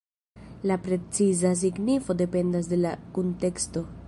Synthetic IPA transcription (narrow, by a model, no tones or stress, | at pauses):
lapɾe̞t͡sizas̬iɡnifo̞de̞pe̞ndas̬de̞lakonte̞ksto̞